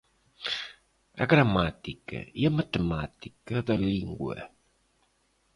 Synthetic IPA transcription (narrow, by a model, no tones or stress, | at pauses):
ɐ̰ɡɾɐmat̪ikɐ̰iɐmɐt̪emat̪ikɐðɐliŋɡwɐ̰